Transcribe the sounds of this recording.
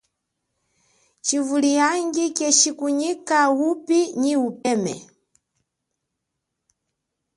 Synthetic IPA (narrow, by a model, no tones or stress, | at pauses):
t͡ʃivulijaŋɡikɛt͡ʃikuɲikawupiɲiupɛmɛ̰